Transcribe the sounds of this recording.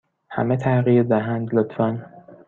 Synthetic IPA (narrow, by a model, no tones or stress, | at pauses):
hæ̰met̪ʰæɣiːɾd̪æɦænd̪lot̪ʰfæn